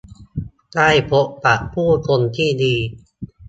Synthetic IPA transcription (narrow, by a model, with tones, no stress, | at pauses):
d̪aː˥˩jpʰo˦˥ʔpa˨˩ʔpʰuː˥˩kʰo˧nt̪ʰiː˥˩diː˧